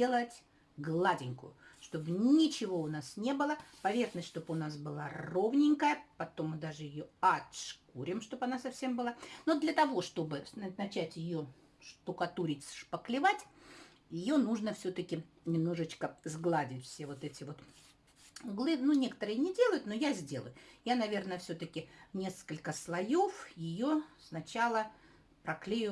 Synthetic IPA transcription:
elˠətʲ | ɡlˠadʲɪnʲkʊ̰jʊ̰ʂt̪o̞bnʲɪt͡ɕɪvo̞ʊnasnʲe̞bɨlˠəpɐvʲe̞xnəsʲt̪ʲʂt̪o̞bʊnas̬bɨlˠaro̞vnʲɪŋʲkəjəpɐt̪o̞mːɨd̪aʐɨjɪjo̞ɐt̪ʂkuɾʲɪmʂt̪o̞pɐnasɐfsʲe̞mbɨlˠanod̪lʲət̪ɐvo̞ʂt̪o̞bɨnɐt͡ɕætʲjɪjo̞ | ʂt̪ʊkɐt̪uɾʲɪtʲsʂpəklʲɪvatʲ | jɪjo̞nuʐnəfsʲot̪əkʲɪ | nʲɪmno̞ʐɨt͡ɕkəzɡlˠadʲɪtʲfʲsʲe̞vo̞t̪ɛtʲɪvo̞t̪ | ʊɡlˠɨnunʲe̞kət̪əɾɨjənʲɪdʲe̞lˠəjʊt̪no̞jazʲdʲe̞lˠə̰jʊjanɐvʲe̞rnəəfsʲot̪əkʲɪnʲe̞skəlʲkəslˠɐjo̞fjɪjosnɐt͡ɕalˠə | pɾɐklʲejʊ

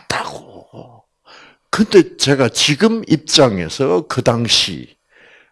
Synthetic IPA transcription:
tʰaɡ̥o | kɯnde̞t͡ɕe̞ɡat͡ɕiɡɯmip̚t͡ɕ͈aŋe̞̰sʰʌkɯdaŋɕʰḭ

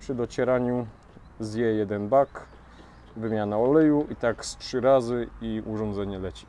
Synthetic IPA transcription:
pʂɘd̪ɔt͡ɕɛɾaɲu | zjɛjɛd̪ɛnbak | vɘmʲjanaɔlɛjuʔit̪akstʂɘɾazɘiuʐɔnd̪zɛɲɛlɛt͡ɕi̥

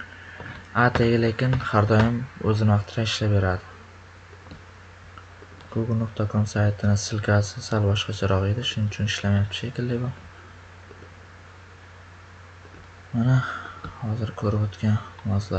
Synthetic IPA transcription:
at̪ʰeɡʲɪlekʲɪnhaɾd̪ɒjɪmɵzɪnɪvɑqt̪ʰɪɾaɪʃlapbeɾad̪ɪ | ɡ̥oɡlnokt̪ʰakʰomsajt̪ʰɪnɪsɪlkʲʰasɪsalbɒʃqɑt͡ʃʰaɾɒʁed̪ɪʃʊnɪt͡ʃʰʊnɪʃlamajap̪̚ʰɪ̥ʃekʲɪld̪ɪbɒ | manahɒzɪɾkʰɵɾɪpot̪kʲanmazla

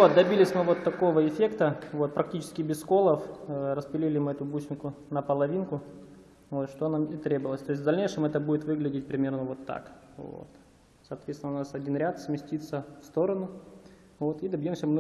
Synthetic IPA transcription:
vot̪̚d̪ɐbʲilʲɪsʲmɨvo̞t̪ːɐko̞vəɪfʲe̞kt̪əvo̞t̪̚pɾɐktʲit͡ɕɪ̥skʲɪbʲɪsko̞lˠəfɾəspʲɪlʲilʲɪmɨɛt̪ʊbut͡ɕʲnʲkʊnəpəlˠɐvʲinkʊ | vot̪ʂt̪onamit̪ɾʲebəvəlˠəsʲt̪oɪs̬ʲt̪ʲvd̪ɐlʲnʲejʂɨmɛt̪əbudʲɪt̪vɨɡlʲɪdʲɪt̚ʲpɾʲɪmʲe̞rnəvo̞t̪ːa̰k | vo̰t̪ | sɐːt̪vʲet̪st̪ʲnəʊnasɐdʲinɾʲat̪smʲɪsʲtʲit̪sːəfst̪o̞ɾənʊ | vo̞t̪id̪əbʲjomsʲəmmɨ

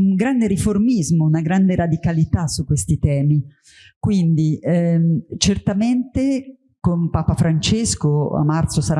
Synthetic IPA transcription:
uŋɡɾand̪eɾiformizmounaɡɾand̪eɾad̪ikalit̪asukːwest̪it̪ɛːmi | kwind̪i | t͡ʃert̪ament̪e | kompaːpafɾant͡ʃeskoa̰mːart̪sosaɾa

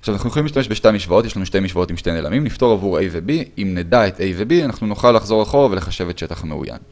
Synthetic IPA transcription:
aʃavnaχnujeolimliʃtame̞ʃbeʃtajmiʃvao̞t̪jelanuʃtejmiʃvao̞timʃtejneːlamimnift̪o̞ʁavuejvebiimnedaetejvebianaχnunoχalːaχzo̞ʁaχo̞ʁaveleχaʃevet̪ʃe̞taχameṵja̰n

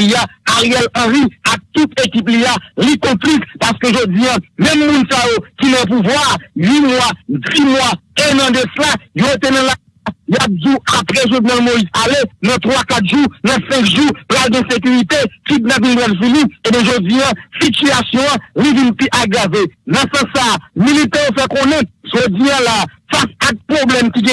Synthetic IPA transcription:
iaaʁjɛlɐ̃ʁiak̚t̪ut̪ekip̬lialikɔ̃plispaskøʒod͡zijãmɛ̃mːũnsajokinɐ̃p̬uvwaːɥimwadimwaenɐ̃d̪ɛslajoʁet̪̬enɐ̃la | ajap̚duapɣɛʒunãlmoizalenɐ̃t̪ʁwakat̪̚ʒunɐ̃sɛ̃kʒupʁalɡɛ̃sek̬yʁit̪efit̪̚nãvĩnbwɛlfilĩebɛ̃ʒod͡ziãsityasjɔ̃ãlivĩnpiʔaɡavenɐ̃sɐ̃sːamilit̪ɛ̃jofɛkõnɛ̃ʒ̥od͡ziãlaːfasak̚pʁoblɛmkiɡɛ̃

